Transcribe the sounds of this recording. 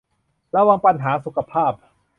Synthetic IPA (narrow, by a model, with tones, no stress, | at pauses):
ɾa˧wa˧ŋpa˧nɦaː˩˦su˨˦kʰa˧pʰaː˥˩p̚